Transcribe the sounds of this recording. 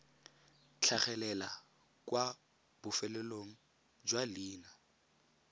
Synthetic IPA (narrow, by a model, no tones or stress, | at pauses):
t͡ɬʰaχɛlɛla | kwa | b̥ʊfɛlɛloŋ̩ | d͡ʒwaliːna